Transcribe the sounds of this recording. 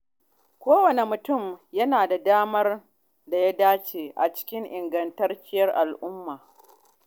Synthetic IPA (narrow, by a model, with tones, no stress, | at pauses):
kʷoː˦wɐ˨ne˨mʊ˨tʊ˦˨mjɐ˦naː˨da˨daː˦mɐ˦r | da˨ja˦daː˦t͡ʃeː˨ʔa̰˨t͡ʃɪ̥˦kʲɪ˦ŋʔɪ˨ŋɡɐ˨ntɐ˦rt͡ʃʲɪ˦jɐ˦rʔa˨lʔʊ˦mːaː˨